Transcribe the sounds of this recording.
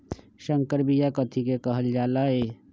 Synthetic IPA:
ʃɐŋkəɾbijakɐt̪ʰikekɐɦəld͡ʒaːlaːeː

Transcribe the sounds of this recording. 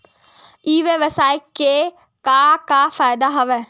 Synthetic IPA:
iːʋeʋəsaːjkːe | kakafaːjd̪aɦɐʋɛ

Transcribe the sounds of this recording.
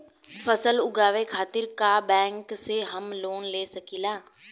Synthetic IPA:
pʰəsəlʊɡaːʋekʰaːt̪ɪɾkaːbɛ̃ːŋkseɦəmloːnleːsəkiːlãː

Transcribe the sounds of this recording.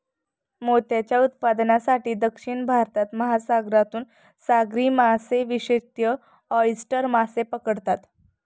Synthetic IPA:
mot̪jat͡ɕjaut̪̚pad̪nasaʈiːd̪əkʂiɳbʱaɾt̪at̪məɦasaɡɾat̪uːn | saɡɾiːmaseʋiɕet̪jə | ɔjsʈəɾmasepəkəɽt̪at̪

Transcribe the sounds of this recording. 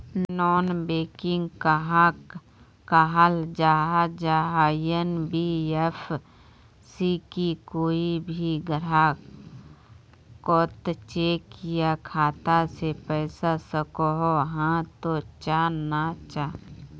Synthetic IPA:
nɔːnbeːkɪ̃ŋɡkaɦa | kaɦald͡ʒaːɦad͡ʒaːɦajənbief | sikikoːibʱiɡəɾaː | kot̪t͡ʃeːkjakʰaːt̪asepɛːsasəkoɦoɦãt̪ot͡ʃaːnat͡ʃaː

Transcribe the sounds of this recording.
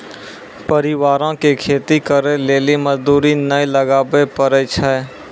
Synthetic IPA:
pəɾɪʋaːɾõkekʰeːt̪ikəɾeleːliməzd̪uːɾinəiləɡaːbepəɾɛt͡ʃʰɛ

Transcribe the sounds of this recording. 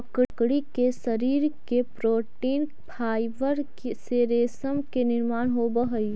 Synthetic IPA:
ɐkkɽikesɐɾiːɾkepɾoːʈiːn | pʰaːɪʋəɾkeseɾeːsəmkenɪɾmaːnɦobəɦəj

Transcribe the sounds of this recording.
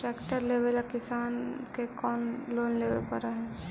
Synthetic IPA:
ʈɾɛːkʈəɾleːbelakɪsaːnkekɔːnloːnlebḛpəɾaɦɛ̃ː

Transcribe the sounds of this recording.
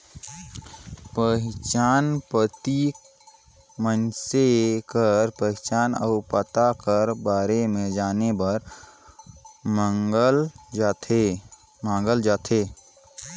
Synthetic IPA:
pət͡ʃaːnpət̪i | mənsekəɾpəɦɪt͡ʃaːnəʊpət̪akəɾbaːɾemẽd͡ʒaːnebəɾ | məŋɡəlt̪e | mãːŋɡəld͡ʒaːt̪ʰeː

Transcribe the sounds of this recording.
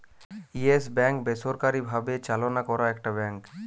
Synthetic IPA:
iesbɛ̃ŋkbesoɾkaɾibʱabet͡ʃalonakɔɾaekʈabɛ̃ŋk

